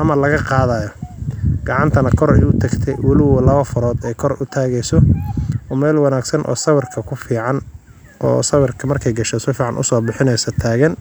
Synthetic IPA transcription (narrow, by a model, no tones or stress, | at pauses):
ʔɐmɐlɐɣɐqɑːðajɔɡ̥ɑʕɑnt̪ʰɐnɐkʰɔɾɛ̰jʊt̪ʰɐɡt̪ʰɛjwɐlɪwɔlɐβɐfʊɾɔːd̪ɛjkʰɔrʊt̪ʰaːɣɛjsɔʔɔːmɛːlwɑnaːɡsɐnʔɔ̰ːsɐwɪrkʰɐkʰʊfiːʕɑn | ʔɔ̰ːsɐwɪrkʰɐmɐrkʰɛjɡɐʃɛsɔfiːʕɑnʔʊ̰sɔːbɪħɪnɛjsɔt̪ʰaːɣɐn